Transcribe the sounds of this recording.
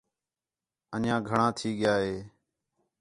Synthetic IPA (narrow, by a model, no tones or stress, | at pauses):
ənjãːɡʱəɳãːt̪ʰiːɠɪjaːɦeː